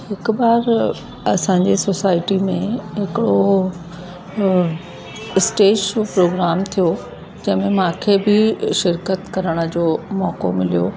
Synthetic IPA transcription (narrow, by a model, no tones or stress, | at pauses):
hɪkʊbaːɾ | ɐsãːɲ̆d͡ʑesosaːɪʈimẽɦɪkɪɽo | ɪsʈeːd͡ʑd͡ʑoːpɾoːɡɾaːmt̪ʰijo | d͡ʑɐ̃ɦɪ̃mẽmãːkʰebɪʃɪɾkət̪kɐɾəɽ̃ə̆d͡ʑoːmɔːko̰mɪlijoː